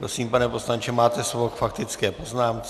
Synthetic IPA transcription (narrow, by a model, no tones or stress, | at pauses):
pɾosiːmpanɛposlaɲt͡ʃɛmaːt̪ɛsvokfakt̪ɪt͡skɛːpoznaːmk